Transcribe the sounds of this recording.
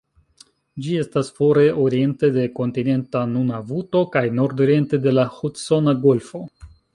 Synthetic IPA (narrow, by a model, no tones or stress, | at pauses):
d͡ʒie̞stasfo̞ɾe̞ʔo̞ɾie̞nte̞de̞ko̞ntine̞ntanunavuto̞kajno̞ɾdoɾie̞nte̞de̞lahutso̞naɡo̞lfo̞